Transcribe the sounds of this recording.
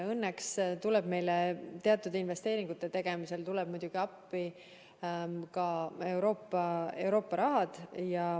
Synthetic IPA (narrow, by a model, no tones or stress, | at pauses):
ɤnːekst̪ulɛb̥me̞jlet̪e̞ɑt̪ːˑud̪inve̞st̪e̞ːɾiŋɡ̥ut̪ːˑe̞t̪e̞ɡ̥e̞mise̞lt̪ulɛb̥̚mujd̥̪ʲuɡ̥iɑpːi | kɑe̞wɾo̞ːpːɑe̞wɾo̞ːpːɑɾɑɦɑd̪̥jɑ